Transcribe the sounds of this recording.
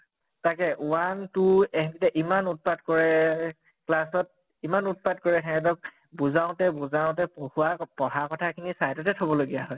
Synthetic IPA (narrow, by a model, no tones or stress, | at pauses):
takɛwantuɛɦnitɛʔimanut̚patkɔɹɛ | klasɔt̚ | imanut̚pad̚kɔɹɛɛŋɛt̬ɔk̚ | buzaʊ̃tɛbuzaʊ̃tɛpohuwapɔɦakɔtʰakʰinisajtɔtɛtʰɔbɔloɡijaɦɔj